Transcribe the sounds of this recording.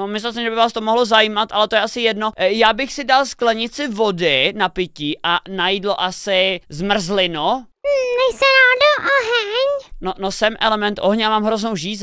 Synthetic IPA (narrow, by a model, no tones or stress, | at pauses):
omɪslɛlsɛmʒɛbɪvaːst̪omoɦlozajiːmat̪ʔalɛt̪ojɛʔasɪjɛdnojaːbɪxsɪdalsklɛɲɪt͡sɪvodɪnapɪciʔanajidlo̰ʔasɪzmr̩zlɪno | mɛjsɛɾaːdoʔoɦɛɲnonosɛmʔɛlɛmɛnt̪ʔoɦɲɛamaːmɦɾoznowʒiːz